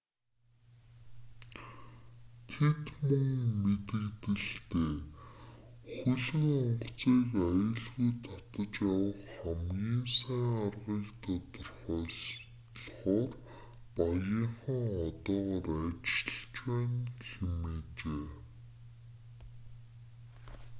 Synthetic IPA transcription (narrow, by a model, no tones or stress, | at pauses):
t̪ʰet̪mɵŋmet̪ɘ̆ɣt̪ɘ̆ɮt̪eː | xuɮɘ̆ŋɔɴɢt͡siːkajə̆ɮɣujt̪ʰːat̪ə̆t͡ɕjawə̆χχamɣiːnsæːŋarʁiːkt̪ʰat̪ʊrχœːs | ɮχɔːr | pajəɴχə̆ŋɔt̪ɔːʁɔːræt͡ɕɪ̆ɬt͡ɕwæːnxemeːt͡ɕeː